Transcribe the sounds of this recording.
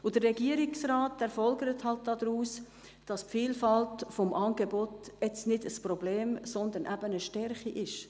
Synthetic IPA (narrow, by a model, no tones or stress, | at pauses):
ʊd̥ərːɛɡiəɾɪksraːtɛɾfɔlɡəɾəthɑlt̚d̥ɑːd̥̪ɾuːs | d̥ɑspfiːlfɑltfɔmʔɑːnɡebotɛt͡snɪdəsprɔbleːmsɔnd̪ənʔæb̥ənəʃtɛɾχiʔɪʃ